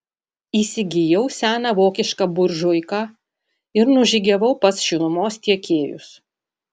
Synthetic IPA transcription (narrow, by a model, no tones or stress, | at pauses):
iːsʲɪɡʲɪjɛʊsʲæːnɑʋoːkʲɪʃkɑbʊɾʲʒʊɪkɑː | ɪɾnʊʒʲɪɡʲɛʋɐʊpɐsʃʲʊnʊmoːst̪ʲiɛkʲeːjʊ̰s